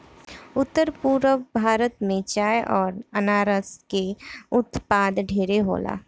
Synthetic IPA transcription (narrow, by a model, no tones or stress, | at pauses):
ʊt̪ːəɾpuːɾəʋbʱaːɾət̪mẽt͡ʃaːjʔɔːɾənaːɾəskeʊt̪paːd̪ɖʱeːɾeɦo̰ːla̰ː